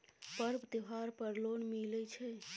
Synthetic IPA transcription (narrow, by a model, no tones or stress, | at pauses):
pəɾbd̪iɦaɾpəɾlonmilɛt͡ʃʰɛ